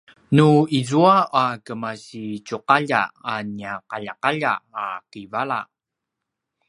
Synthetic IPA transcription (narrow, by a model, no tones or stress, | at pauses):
nuizuaakəmaɕicuqaʎa̰aniaqaʎaqaʎaːqivaɭa̰